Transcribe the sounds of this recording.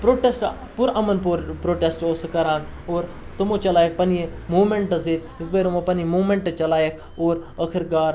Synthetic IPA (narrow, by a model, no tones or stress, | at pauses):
pɾoːʈesʈ | puɾɐmɐnpuɾpɾoːʈesʈosɨkɐɾaːn | oːɾ | t̪ɐmot͡ʃɐlaːjek̚pɐnijemuːmeɳʈɐzet̪ | isbɐɾomɐpɐnemuːmeɳʈɐt͡ʃɐlaːjekʰ | oːɾɐkʰiɾɡaːɾ